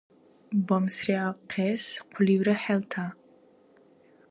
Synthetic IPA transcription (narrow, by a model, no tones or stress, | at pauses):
bɔmsriaqʰesqʷʰʊliːwɾɐħɛlt̪ʰa